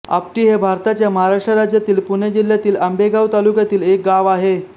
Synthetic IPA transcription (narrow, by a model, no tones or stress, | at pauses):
a̰pʈiːɦebʱaɾt̪at͡ɕjaməɦaɾaʂʈɾəɾad͡ʑjat̪iːlpuned͡ʑil̤jat̪iːləmbeɡaʋt̪alukjat̪iːlek̚ɡaʋaɦe